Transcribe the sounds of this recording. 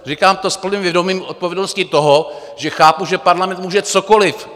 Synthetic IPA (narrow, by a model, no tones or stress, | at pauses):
rikaːmt̪ospl̩niːmvjɛdomiːmʔot̪̚povjɛdnoscɪt̪oɦo | ʒɛxaːpuʒɛpaɾlamɛnt̪muːʒɛt͡sokolɪf